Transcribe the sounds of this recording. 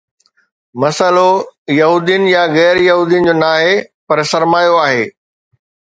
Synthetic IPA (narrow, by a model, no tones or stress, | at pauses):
mɐsəlojɐɦuːd̪ijənɪ̆jaɣɛːɾjɐɦuːd̪ijənɪ̆d͡ʑoːnaːɦepɐɾsɐɾmaːjoaːɦeː